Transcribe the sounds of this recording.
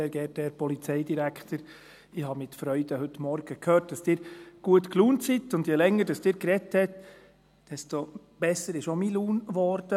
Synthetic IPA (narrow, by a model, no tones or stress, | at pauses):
ɛːɾɡɛtɛɾpɔlit͡sɛɪdiɾækχt̪əɾ | ɪhɑmɪtfɾœʏd̥əhɵt̪mɔɾɡ̥əkʰhøːt̚d̥ɑsd̥ɪːɾɡ̥uətkluːntsitʊndjɛlɛŋːəɾd̥ɑsd̥ɪːɾkɾɛthɛt̪ | d̥ɛsto | b̥ɛsəɾɪʃomiluːnʋɔɾd̥ə